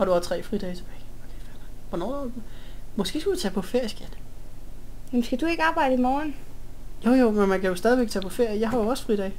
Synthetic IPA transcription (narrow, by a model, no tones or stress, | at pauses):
hɑ̈d̥uɑt͡sʰʁɛ̰ːfʁid̥ɛːt͡sʰe̥b̥ɛːɪɒkʰeæn̥ʋɒnɒ̰ | mɒ̽sɡ̥ḛːsɡ̥æd̥it͡sʰɛ̰ːpʰɒ̽feɐ̰jisɡ̥en̥ | jemsɡ̥æd̥ue̝ɡ̥ɑ̈ːb̥ɑ̈ɪdəimɒːnjo̰jo̰menmænkʰæjo̝sd̥ɛːðˠiʋeɡ̥̚t͡sʰɛ̰ːpʰɒ̽feɐ̰jijɑ̈ɪɦɑ̈joɒ̽sfʁid̥ɛːɪ